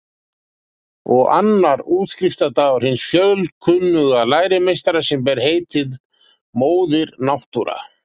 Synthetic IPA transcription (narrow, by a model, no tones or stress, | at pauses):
ɔɣa̰nːaɾuːt̪skɾɪft̪at̪aɣɔɾhɪnːsfjœðlkʰʏnːʏɣalaːjɾɪmejst̪aɾasɛmp̬ɛɾ̥heːjt̪ɪð | moːwðɪɾnawht̪uɾa̰